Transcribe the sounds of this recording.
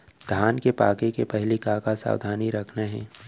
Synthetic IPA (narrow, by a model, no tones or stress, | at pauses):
d̪̥ʱjaːnkepaːkẽkepɛɦlikaːkasa̰ːwd̪ʱaːniɾɐkʰneɦɛ̃ː